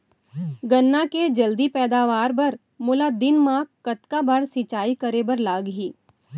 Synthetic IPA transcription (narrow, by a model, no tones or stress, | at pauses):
ɡɐnːaked͡ʒɐld̪ipɛːd̪aːʋaːɾbɐɾ | mʊːlad̪ɪnmãːkːkɐt̪kabɐɽsɪt͡ʃaːikɐɾeːbɐɾlaːɡɦiː